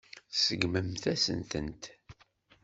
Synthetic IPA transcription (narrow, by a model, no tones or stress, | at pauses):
səɡməmθæsə̰nt̪ə̰nt̪